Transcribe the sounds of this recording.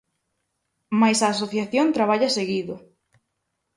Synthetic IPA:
majsaːsoθjaθjont̪ɾaβ̞aʎaseɣiðʊ

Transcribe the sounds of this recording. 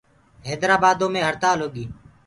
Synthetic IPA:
ɦeːd̪ɾaːbaːd̪õːmẽːɦəɾt̪aːlɦoːɠiː

